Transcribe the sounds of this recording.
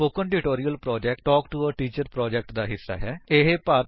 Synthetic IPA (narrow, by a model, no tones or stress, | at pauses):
oːkənɖɪʈoːɾijəlpɾɔːd͡ʒɛːk̚ʈʈɔːkʈuəʈiːt͡ʃəɾpɾɔːd͡ʒɛk̚ʈd̪aːɦɪsːa̰ːɦɛːeɦeːpaː